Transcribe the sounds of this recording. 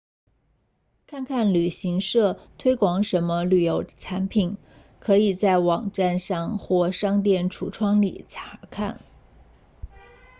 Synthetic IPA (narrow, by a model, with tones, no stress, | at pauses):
kʰa˥˧nkʰa˥˩nly˨˩ɕi˧˥ŋʂɤ˥˩t̪ʰwe˥ɪkwɑ˧˥ŋʂə˧˥nmə˧ly˨˩jo˧˥ʊt͡sʰa˧˥npʰi˨˩˦n | kʰɤ˧˥i˨˩t͡sa˥˩ɪwɑ˨˩ŋʈ͡ʂa˥˧nʂɑ˥˧ŋxwɔ˥˩ʂɑ˥ŋt̪̬jɛ˥˩nʈ͡ʂʰu˨˥˩ʈ͡ʂʰwɑ˥ŋlḭ˨˩t͡sʰḁ˧˥kʰa̰˥˩n